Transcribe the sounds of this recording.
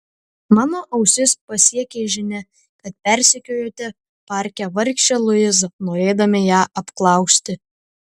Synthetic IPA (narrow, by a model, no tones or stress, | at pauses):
mɑːnoːʔɐʊsʲɪspɐsʲiɛkʲeːʒʲɪnʲɛ | kɐt̪̚pʲɛɾʲsʲɪkʲujoːt̪ʲɛ | pɑːɾʲkʲɛʋɐɾʲkʃʲt͡ʃʲɛlˠʊjɪs̬noːɾʲeːd̪ɐmʲɪjæːʔɐpklˠɐˑʊksʲt̪ʲɪ